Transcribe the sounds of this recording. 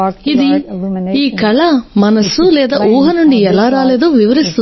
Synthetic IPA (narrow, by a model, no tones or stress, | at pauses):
id̪iiːkɐɭɐmɐnɐsulɛːd̪aːʔuːɦɐnuɳɖiɛlaːɾaːleːd̪oːʋiʋɐɾist̪u